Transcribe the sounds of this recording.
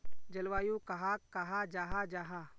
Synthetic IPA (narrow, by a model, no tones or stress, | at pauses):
d͡ʒɐlʋaːjukɐɦakːəɦad͡ʒaːɦad͡ʒaːɦa